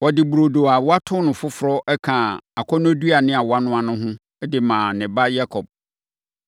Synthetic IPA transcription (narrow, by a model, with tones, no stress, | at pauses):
wɔ˨dɪ˨bu˨ɾo˨do˨a˨wa˦tʰʊ̃˦nʊ̃˨fʊ˦fʊ˨ɾɔ˦ʔɛ˦kʰã˨a˨kʷʰɔ˦ñ˦du˦a˨nɪ̃˦a˨wa˦nʊ̃˦a˦nʊ̃˦ɦʊ̃˦ | ɛ˦dɪ˨mãː˨nɪ̃˨ba˦ja˦kʰɔ˨b̚